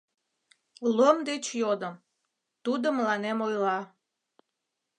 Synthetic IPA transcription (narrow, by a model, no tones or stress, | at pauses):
lomd̪et͡ɕjod̪əm | t̪ud̪oməlɑnemojlɑ